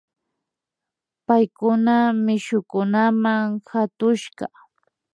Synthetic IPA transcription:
pajkʊnamɪʃʊkʊnamaŋhat̪ʊʃɢɑ̰

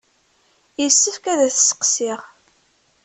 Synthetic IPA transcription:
jəsːəfkæðæθsə̥qsɪʁ

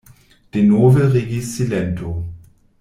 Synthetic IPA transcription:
d̥enoːvəʁeɡiːst͡silɛntʰo

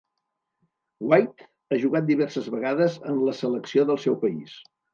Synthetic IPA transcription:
wajt̪ | aʒuɣat̪̚d̪iβɛrsəzβəɣaðəzənləsələksioðəlˠsɛwpəḭs

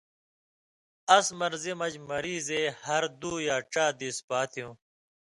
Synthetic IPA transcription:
ɐsmɐɾzemɐd͡ʑmɐɾiːzeːhɐɾd̪uːjaːʈ͡ʂaːd̪ispaːt̪ʰijũː

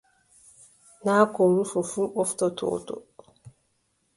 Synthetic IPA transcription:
nakɔɾufɔfuɓɔftɔtʰɔ̰ːtɔ̰

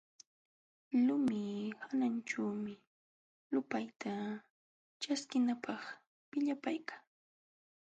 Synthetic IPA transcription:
lʊmɪhanant͡ʃaːmɪ | lʊpajt̪ʰa | t͡ʃaskɪnapɑχ | pɪʎapajkaŋ

